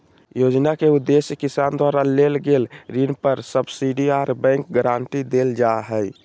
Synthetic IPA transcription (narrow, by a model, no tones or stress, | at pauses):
jod͡ʒnakeud̪ːesjəkisand̪waɾalelɡelɾinpəɾsəbsiɖiaɾbɛ̃ŋk̚ɡəɾaːnt̪id̪eld͡ʒaɦəj